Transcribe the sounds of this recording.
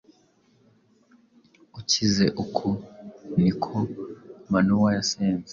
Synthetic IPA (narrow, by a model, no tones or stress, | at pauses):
ucizeʔukʰonikʰomanuwajaseːnze